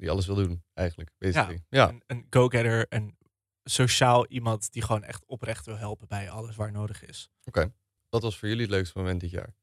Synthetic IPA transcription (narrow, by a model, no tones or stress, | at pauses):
diɑləs̬ʋɪlˠdunʔɛjχənləkʋezaijanənɡowɡɛɾəɹən | soʃaːlˠʔimɑntdiχəʋownɛ̰χtɔprɛχtʋɪlˠɦɛlˠpənbɛjɑləsʋaːɹnowdəχɪ̰s | okej | d̥ɑtʋɑsfʊːɹjɵliətløɥkstəmomɛntdɪtja̰ːɹ